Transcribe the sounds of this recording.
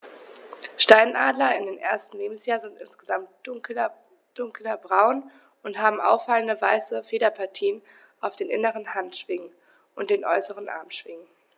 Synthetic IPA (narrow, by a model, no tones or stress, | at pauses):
ʃtaɪnʔaːdlɐɪndeːnʔḛːɐstn̩leːbm̩sjaːzɪntʔɪ̰nsɡ̥əzamtɐ | d̥ʊŋklɐbʁaʊn | ʊntɦaːbm̩ʔa̰ʊfaləndəvaɪsəfeːɾɐpʰaɐtʰiːən | ʔaʊfd̥eːnʔɪ̰nəʁənhantʃv̥ɪŋən | ʔʊnt̚d̥eːnʔɔ̰ʏsəʁənʔa̰ɐmʃv̥ɪŋən